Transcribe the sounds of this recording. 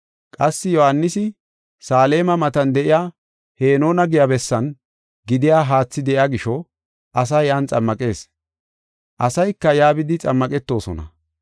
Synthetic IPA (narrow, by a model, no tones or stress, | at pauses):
kʼɐsːɪjɔhɐnːɪsɪ | saːle̞ːmɐmɐt̪ɐnd̪ɛʔɪjaː | he̞ːno̞ːnɐɡɪjɐbɛsːɐn | ɡɪd̪ɪjaːɦaːt͡sːɪd̪ɛʔɪaɡɪʃɔ | ʔɐs̬ɐjant͡sʼɐmːɐkʼe̞ːs | ʔɐsɐjkːɐjaːbɪd̪ɪt͡sʼɐmːɐkʼɛt̪ːo̞ːsɔ̰nɐ̰